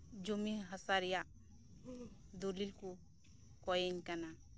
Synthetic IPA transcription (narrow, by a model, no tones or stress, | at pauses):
d͡ʒomiɦəsaɾija | d̪ulilku | kɔjeɲkɐna